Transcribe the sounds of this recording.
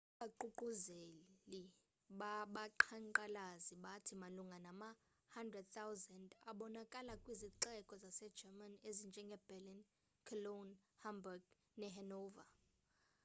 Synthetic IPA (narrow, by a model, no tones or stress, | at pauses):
ɓaǃuǃuzeli | ɓaɓaǃʰaŋǃalaziɓatʰimaluŋɡʱanama | handrɛd̚θawzɛndaɓɔnakʼalakʼwiziǃɛkʼɔzasɛ̥d͡ʒɛmanezind͡ʒʱɛŋɡʱɛbɛlin | kʰɔlonhambuɡ | nɛɦɛnɔːva̰